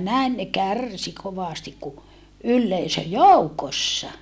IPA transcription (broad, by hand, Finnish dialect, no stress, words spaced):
næin ne kærˑsi koʋɑˑstik ku ylːeisø joukosːɑ